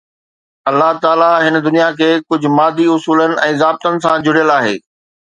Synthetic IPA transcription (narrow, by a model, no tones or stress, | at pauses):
ɐlːaɦt̪aːlaɦɪnə̆d̪ʊnijakʰeːkʊd͡ʑʱʊ̆maːd̪ʱiʊsuːlənɪ̆ʔɛ̃ːzaːb̚t̪ənɪ̆sãd͡ʑʱʊɽijəlaːɦḛː